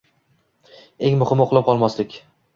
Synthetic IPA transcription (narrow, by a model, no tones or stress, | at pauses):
eŋmʊhɪmoqʰlˠɪp̚qʰɒlˠmɒslɪkʲ